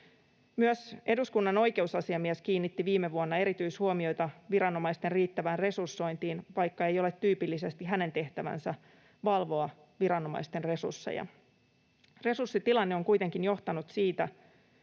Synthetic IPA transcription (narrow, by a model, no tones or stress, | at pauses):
myøse̞duskunːɑno̞jke̞usɑsiɑmiɛsk̟iːnːit̪ːiʋiːmːeʋuonːɑe̞ɾit̪yishuomio̞jt̪ɑʋiɾɑno̞mɑist̪e̞nriːt̪ːæʋæːnre̞sursːo̞int̪iːnʋɑjkːɑe̞jo̞let̪ːyːpilːise̞st̪iɦæne̞nt̪e̞ht̪æʋæ̰nsæ | ʋɑlʋo̞ɑ | ʋiɾɑno̞mɑ̰ist̪e̞nre̞sṵrsːḛjɑ̰ | re̞sursːit̪ilɑnːeo̞ŋkujt̪e̞ŋkinjo̞ht̪ɑnut̪siːt̪æ